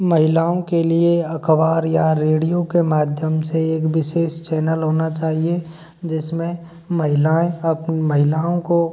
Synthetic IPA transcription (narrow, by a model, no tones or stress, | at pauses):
mɐɦɪlaːõkelieɐkʰʋaːɾjaɾeːɽijokemaːd̪ʱjəmseeːkʋɪʃeːʃt͡ʃɛːnəlɦoːnat͡ʃaːɦie | d͡ʒɪsmẽ | mɐɦɪlaːẽɐpnmɐɦɪlaːõko